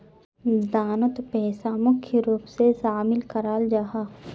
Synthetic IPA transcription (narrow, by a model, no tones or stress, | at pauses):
d̪aːnət̪pɛːsamʊkʰjəɾuːpsesaːmɪlkɐɾaːld͡ʒaɦaː